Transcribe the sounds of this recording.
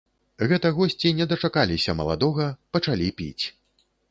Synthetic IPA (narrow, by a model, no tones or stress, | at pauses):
ɣɛt̪ɐɣɔsʲt͡sʲinʲɛd̪ɐt͡ʂakalʲisʲɐmɐ̰lˠa̰d̪ɔɣɐpɐt͡ʂalʲipʲḭt͡sʲ